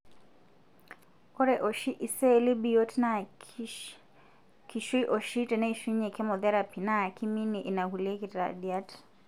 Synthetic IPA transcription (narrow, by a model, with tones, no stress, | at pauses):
ɔ˦ɾɛ˨ʔɔ˨ʃi˦ʔi˨sɛ˦li˦bi˦˨jɔ˦tna˦ | ki˨ʃi˦ʔɔ˨ʃi˦tɛ˨na˦i˨ʃi˦ɲɛ˨kɛ˦mɔ˨ðɛ˦ɾa˨pʰi˨na˦˨kʰi˦mi˦ni˨ʔi˨na˨hu˨lɛ˦ki˨ta̰˨ɗi˨a˦t